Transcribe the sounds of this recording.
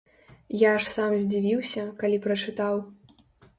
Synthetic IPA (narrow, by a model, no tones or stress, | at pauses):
jaʂsamzʲd͡zʲivʲiwsʲɐkalʲipɾɐt͡ʂɨt̪aw